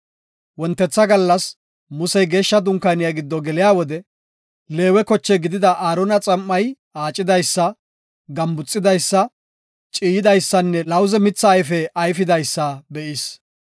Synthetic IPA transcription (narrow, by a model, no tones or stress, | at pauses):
wɔnt̪ːɛt͡sːɐɡɐlːɐs | mʊsɛjɡe̞ːʃːɐd̪ʊŋkːanɪjaɡɪd̪ːɔɡɛlɪjaːwɔd̪ɛ | le̞ːwɛkɔt͡ʃːɛɡɪd̪ɪd̪ɐʔaːɾɔnɐt͡sʼɐmːɐj | aːt͡ʃʼːɪd̪ɐjsːɐ | ɡɐmbʊt͡sʼːɪd̪ɐjsːɐ | t͡ʃʼiːjɪd̪ɐjsːɐnːɛlɐwzɛmɪt͡sːɐːjfɛʔɐjfɪd̪ɐjsːɐbɛʔɪs